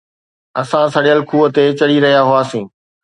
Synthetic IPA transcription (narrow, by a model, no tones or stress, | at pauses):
ɐsãsɐɽeɐlkʰuːət̪et͡ɕɐɽiɾɐɦijaɦʊaːsĩː